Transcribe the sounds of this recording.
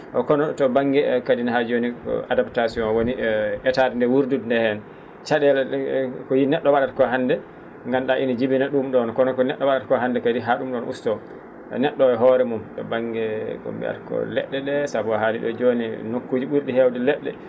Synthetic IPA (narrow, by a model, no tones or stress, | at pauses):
ʔɔkɔnɔtɔbaŋɡɛkadinahad͡ʒonḭadaptasiɔ̃nwoniʔɛtadndɛwuɾdudndɛhɛn | t͡ʃaɗɛlkɔjinɛɗːɔwaɗatkɔɦanːdɛ | ŋɡamɗaʔinid͡ʒibinaɗumɗɔnkɔnɔkɔnɛɗːɔwaɗatkɔɦandɛkadiɦaɗumɗɔnʔustɔ̰ | nɛɗːɔɛɦɔɾɛmumtɔ̰baŋɡɛkɔ̰mbɛ̰ʔa̰tkɔ̰lɛ̰ɗːɛɗɛsabuahaliɗɔ̰d͡ʒoninokːuːd͡ʒiɓuɾɗihɛwdɛlɛɗːɛ̰